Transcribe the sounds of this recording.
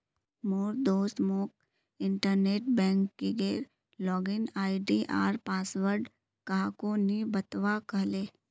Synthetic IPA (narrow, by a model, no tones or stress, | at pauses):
moːɾd̪oːst̪moːk̚ | ɪ̃ɳʈəɾneːʈ̚bɛ̃ːŋkːiɡeːɾ | lɔːɡɪnaːiɖiʔa̰ːɾpaːsʋəɾɖ | kaːkonibɐt̪ʋakɐɦleː